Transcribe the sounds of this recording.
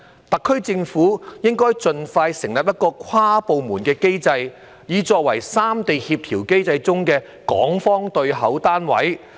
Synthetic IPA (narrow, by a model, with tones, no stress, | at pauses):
t̪ɐ˨kʰːɵ˥ɥt͡sɪ˧ŋfuː˨˥jɪ˥ŋkɔː˥jt͡sɵ˧nfaː˧jsɪ˨˩ŋlɐ˨p̚jɐ˥t̚kɔː˧kʷʰwaː˥po˨wmuː˨˩nkɛː˧ke˥jt͡sɐ˧j | jiː˨˧t͡ʃɔː˧k̚wɐ̰˨˩jsaː˥mt̪e˨jhiː˧p̚t̪ʰiː˨˩wke˥jt͡sɐ˧jt͡sʊ˥ŋkɛː˧ | kɔ̰ː˨˥ŋfɔː˥ŋt̪ɵ˧ɥɦɐ˨˥wt̪aː˥nwɐ̰˨˥j